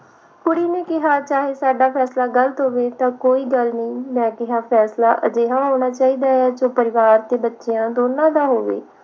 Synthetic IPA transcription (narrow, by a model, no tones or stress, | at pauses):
kʊɽiːneːkɪɦaːt͡ʃaːɦeːsaːɖaːpʰɛːslaːɡələt̪ɦoːʋeːt̪ãːkoːiːɡəlnəĩːmɛ̃ːkɪɦãːpʰɛːslaːʔə̰d͡ʒeːɦãːɦoːñaːt͡ʃaːiːd̪aːɛːd͡ʒoːpəɾɪʋaːɾt̪eːbətːʃejãːd̪oːnãːd̪aːɦoːʋḛː